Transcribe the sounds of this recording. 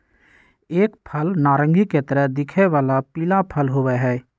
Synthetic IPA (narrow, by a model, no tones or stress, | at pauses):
eːkpʰəlnaːɾə̃ŋɡʱiket̪əɾəɦd̪ɪkʰeʋaːlapiːlapʰəlɦowɛɦɛː